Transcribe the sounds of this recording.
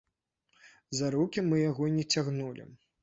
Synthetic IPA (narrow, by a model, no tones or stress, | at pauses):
zaɾukʲimɨjaɣɔnʲɛt͡sʲaɣnulʲḭ